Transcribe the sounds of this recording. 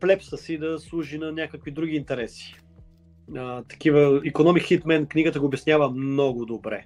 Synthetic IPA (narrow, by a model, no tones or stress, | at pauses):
plɛpsəsid̪ɐslˠuʒinɐnʲakəkvid̪ɾuɡʲiːnt̪ɛɾɛsi̥ | ət̪ɐ̥k̟ivəikonɔmixit̪mɛnkniɡət̪əɡoːbʲjɛsnʲjavəmnɔɡʊd̪obɾɛ